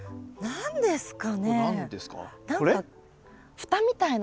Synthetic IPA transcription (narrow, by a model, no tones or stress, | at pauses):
nãnd̪e̞sɨ̥kaned̪esɨ̥ka̰nãŋɾea | ɸɯ̟̥t̪amʲit̪ain